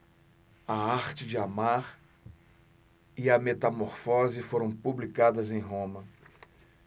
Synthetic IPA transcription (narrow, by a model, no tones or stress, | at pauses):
ɐaɾt͡ʃɪd͡ʒɪamaɾ | ɪɐmet̪ɐmoɾfɔzɪfoɾɐ̃w̃publikad̪ɐzẽj̃ɦõmɐ